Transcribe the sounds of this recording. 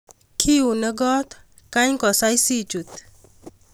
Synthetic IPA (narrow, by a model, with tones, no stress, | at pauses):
kʰi˦u˨nə˦ɡɔ˦t̪ | ka˦ɲkɔ˨sa˦jsi˦t͡ʃu˨t̪